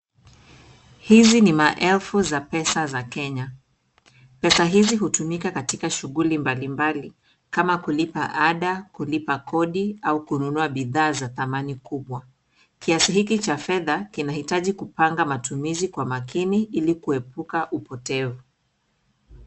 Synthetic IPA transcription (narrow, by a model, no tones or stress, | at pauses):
hizinimaʔɛlfuzapɛsazakɛɲa | pɛsaɦiziɦutumikakatikaʃuɣulimbalimbali | kamakulipa̰ʔaɗakulipakʰɔɗiaukununuaɓiðaːzaθamanikuɓwa | kiasihikit͡ʃafɛðakinahitaʄikupaŋɡamatumizikwamakiniʔilikuɛpukaʔupɔtɛvu